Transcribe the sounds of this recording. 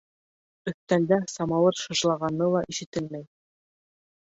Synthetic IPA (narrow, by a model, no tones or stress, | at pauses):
ɵ̆θt̪ænd̪æsɑmɑlˠɤɾʃɤ̆ʒlˠɑʁɑnːɤlˠɑʔiʃɘ̆t̪ɘlmæj